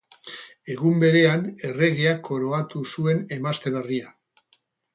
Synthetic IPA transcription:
e̞ɣ̞umbe̞ɾe̞ane̞re̞ɣiako̞ɾo̞at̪usue̞ne̞mast̪e̞βe̞ria

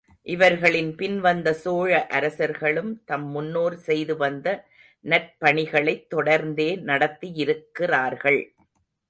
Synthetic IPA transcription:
ʔɪʋɐɾɣɐɭɪnpɪnʋɐnd̪ɐsoːɻɐʔɐɾɐsɐɾɣɐɭɯmt̪ɐmːʊnːoːɾsɛjðɯʋɐnd̪ɐ | nɐr̚pɐɳɪɣɐɭɐɪt̪ːɔɽɐɾnd̪eːnɐɽɐt̪ːijɪɾɯkːɪraːɾɣɐɭ

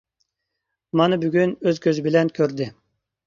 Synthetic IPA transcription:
mɑnɨbyɡʲynøzkʲʰøzybɪlɛnkʲʰøɾd̪ɪ

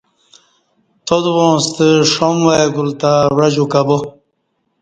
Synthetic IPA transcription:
t̪od̪wõːst̪əʂomwajɡult̪awɐd͡ʑukabo

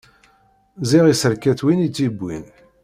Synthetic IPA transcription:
ziʁisəɾkæθwinit͡sːibʷːin

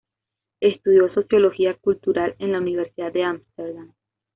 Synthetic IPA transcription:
e̞st̪uðjo̞so̞sjo̞lo̞xiakult̪uɾale̞nlauniβ̞eɾsiðad̪̚d̪eamst̪eɾd̪am

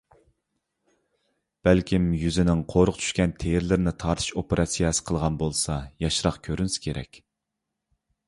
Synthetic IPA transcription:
b̥ælkʲimjyzɪnɪŋqʰoɾʊqt͡ʃʰy̥ʃkʲɛnt̪ʰejɪɾlɪɾnɪt̪ʰɑɾt̪ʰɨ̥ʃopeɾʔɑsijɛsɪ̥qʰəlˠʁɑnbolˠsɑjɑʃɾɑqkʲʰøɾynsɪ̥kʲʰeɾɛ̰kʲ

